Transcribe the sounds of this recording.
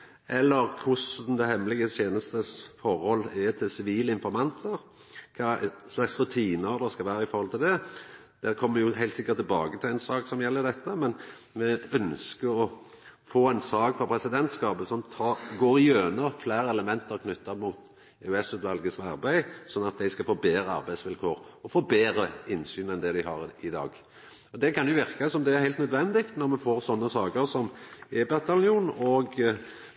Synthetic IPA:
ʔɛlːəɾkʰʊsn̩d̪ɛhɛmːəlɪɡəseːnəst̪əsfɔɾhɔlːæt̪ʰɪlsɪʋiːləɪnfɔɾmɑnt̪ʰəɾ | kʰɑːslɑksɾʉt̪ʰiːnəɾd̪ɑskɑʋæːɾəɪfɔɾhɔlt̪ɪld̪ɛ | d̪̥ɛkʰɔmːəjʊhæɪlt̪sɪkːəɾt̪ːɪlbɑːɡət̪ʰɪlæɪnsɑːksɔmjɛlːəɾd̪ɛt̪ːəmɛn | mɛœnskəɾɔ | foːæɪnsɑːkfɔpʰɾɛsɪd̪ɛnt̪skɑːpəsɔmt̪ʰɑːɾɡoːɾɪjøːnəɾflæːɾɛləmɛnt̪əʁkʰnʏt̪ːɑmuːt̪ | ɛʉɛsʉːt̪ʋɑlɡəsɑ̰ɾbæɪsɔnːɑt̪̚d̪æɪskɑfoːbeːɾəɑ̰ɾbæɪsʋɪlkʰoːɾɔfoːbeːɾəɪnːsyːnɛnd̪ɛd̪æɪhɑɾɪd̪ɑ̰ːɡ | ɔd̪ɛkɑnjʊʋɪɾkasɔmd̪ɛæɾhæɪlt̪nœd̪ʋɛnd̪ɪkt̪nɔɾmɛfoːɾsɔnːəsɑːkəɾsɔmɛbɑt̪ːɑnɪuːnɔɡ

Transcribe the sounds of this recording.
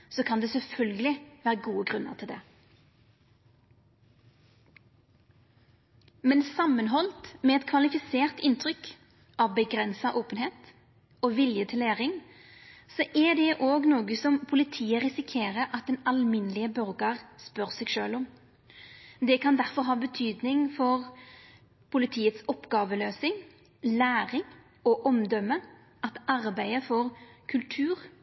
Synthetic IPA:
sɔkʰɑnd̪ɛːsɛlfœlɡəlɪʋæːʁəɡuːəɡʁʉnːə̰ʁt̪ʰɪld̪ɛː | mɛnsɑmənɦɔlt̪mɛɛt̪kʰʋɑlɪfɪseːʁt̪ɪnt̪ʰʁʏk | ʔɑʋbəɡʁɛnsɑʔoːpənheːt̪ | oːʋɪljət̪ʰɪleːʁɪŋ | sɔʔɛd̪ɛʔoːɡnoːɡəsɔmpʰʊlɪt̪ʰiːəɾɪsɪkʰeːɾəɾʔɑt̪̚d̪ɛnɑlmɪnəlɪəbœɾɡəʁspœʁsɛɡʃøːlɔm | d̪ɛkʰɑnd̪æʁfɔɾɦɑːbət̪ʰyːd̪nɪŋfɔʁ | pʰʊlɪt̪ʰiːət̪sɔpːɡɑːʋəløːsɪŋ | læːʁɪŋ | ɔʔɔmd̪œmə | ʔɑt̪ɑɾbæɪəfɔɾkʰʉlt̪ʰʉːʁ

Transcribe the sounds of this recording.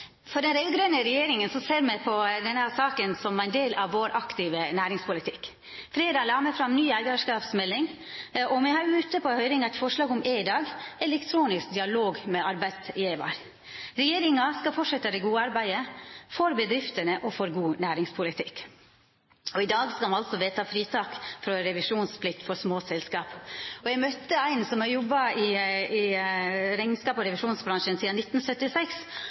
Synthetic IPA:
fɔɖɛnɾeɡɾønəɾɛjeːɾɪŋənsɔseːɾmɛpʰɔd̪ɛnhæːɾsɑːkənsɔmæɪnd̪eːlʔɑʋːoːɾʔɑkt̪ɪʋənæːɾɪŋspʰʊlɪt̪ʰɪk | fɾeːd̪ɑlɑːməfɾɑmnyːæɪɡɑʂkɑːpsmɛlːɪŋ | ʔɔmɛhɑːɾjʊʉt̪ːəpʰɔhœʏɾɪŋɑt̪fɔʂlɑːɡʊmeːɪd̪ɑːɡɛɛlɛkt̪ʰɾuːnɪsk̚d̪ɪɑloːɡmɛɑɾbæɪsɪeːʋɑ̰ɾ | ɾɛjeːɾɪŋɑskɑlfɔʈʂɛt̪ːəɾɛɡuːɑɾbæɪd̪əfɔɾbɛd̪ɾɪft̪ənəʔɔfɔɾɡuːnæːɾɪŋspʰʊlɪt̪ʰɪkː | ɔɪd̪ɑːɡskɑlmɑlsɔʋeːt̪ʰɑːfɾiːt̪ʰɑːkfɾɔɾɛʋɪʂuːnspʰlɪk̚t̪fɔɾsmoːsɛlskɑːpɔjɛɡmœt̪ːəæɪnsɔmɑɾjɔbːɑɪɪ | ɾɛŋnskɑːpɔɾɛʋɪʂuːnsbɾɑŋʂənsiːɑnɪt̪ːn̩sœt̪ːɪsɛks

